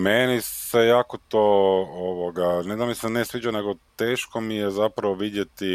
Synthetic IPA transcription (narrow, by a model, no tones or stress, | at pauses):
menisejaːkot̪ooʋoɡaned̪amisenesʋiːt͡ʃane̞ɡo̞t̪e̞ːʃkomijezapɾaʋoʋid̪je̞t̪i